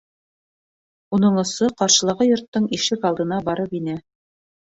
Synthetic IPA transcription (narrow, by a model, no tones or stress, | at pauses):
unɤɴŏsɤqɑɾʃɤ̆lˠɑʁɤjŏɾt̪ːɤɴiʃɘkɑlˠd̪ɤ̆nɑbɑɾɤpinɘ